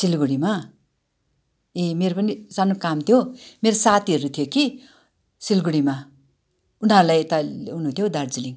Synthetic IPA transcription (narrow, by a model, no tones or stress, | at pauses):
silɡuɽima | emeɾopʌnisanokamt̪ʰjomeɾosat̪ʰiʌɾut̪ʰijoki | silɡuɽima | unaɾulajt̪aunũt̪ʰjod̪ard͡ziliŋ